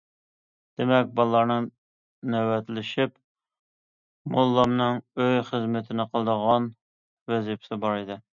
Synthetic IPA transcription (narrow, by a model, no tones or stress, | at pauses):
d̪̥emɛk̚ʲbɑlˠlˠɑɾnɨ | nɛwɛt̪lɪʃip | molˠːɑmnɨŋøjχəzmɪt̪ʰɪnɪqʰəlˠd̪əʁɑn | wɛzɪpsɪbɑɾɨd̪ɨ